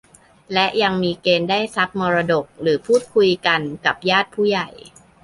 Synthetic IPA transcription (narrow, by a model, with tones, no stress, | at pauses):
lɛ˦˥ʔja˧ŋmiː˧keː˧ndaː˥˩jsa˦˥p̚mɔː˧ɾa˧do˨˩k̚ɾɯː˩˦pʰuː˥˩t̪̚kʰu˧jka˧nka˨˩p̚jaː˥˩t̪̚pʰuː˥˩ja˨˩j